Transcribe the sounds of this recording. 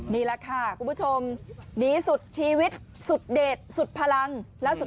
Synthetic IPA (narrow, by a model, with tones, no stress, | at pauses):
niː˧˩lɛ˧˥kʰa˥˩kʰu˧˩mpʰu˥t͡ɕʰo˧mniː˨˦˥su˨˩t̪̚t͡ɕʰiː˧wi˦˥t̪̚ | su˨˩t̪̚deː˨˩t̪̚su˨˩t̪̚pʰa˧la˧ŋlɛ˦˥su˨˩